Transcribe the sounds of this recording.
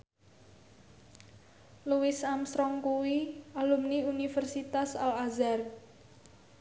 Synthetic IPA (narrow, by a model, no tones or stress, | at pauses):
luwɪsamsɾɔŋkuwialumniunifɛrsit̪asalazar